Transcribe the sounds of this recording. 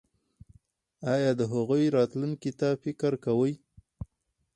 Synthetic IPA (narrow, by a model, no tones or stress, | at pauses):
ɑjɑd̪əɦaɣujɾɑt̪luŋkit̪afɪkɾkawəj